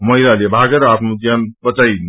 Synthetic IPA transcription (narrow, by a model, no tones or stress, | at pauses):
məɦilalebʱaɡeɾat̪mud͡ʒjanpət͡ʃai